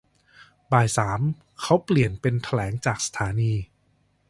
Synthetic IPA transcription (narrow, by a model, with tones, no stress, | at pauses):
baː˨˩jsaː˩˦m | kʰa˦˥wpli˨˩ənpe˧nt̪ʰa˧lɛː˩˦ŋt͡ɕaː˨˩k̚sḁ˧t̪ʰaː˩˦niː˧